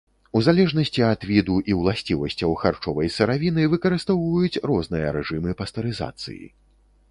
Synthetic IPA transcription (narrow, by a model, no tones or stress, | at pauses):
uzalʲɛʐnɐsʲt͡sʲiɐd̪vʲid̪uʔiwlˠasʲt͡sʲivɐsʲt͡sʲɐwxart͡ʂɔvɐjsɨɾavʲinɨvɨkɐɾɨst̪ɔwvɐjut͡sʲrɔzn̪ɨjɐ̰ɾɛʐɨmɨpɐst̪ɐɾɨza̰t̪sɨ̰jḭ